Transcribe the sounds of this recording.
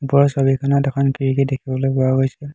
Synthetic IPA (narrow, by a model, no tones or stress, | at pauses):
pɔɹsɔbikʰɔnatɛkʰɔnpʰiɹikidekʰibɔlojpɔwaɡojsɛ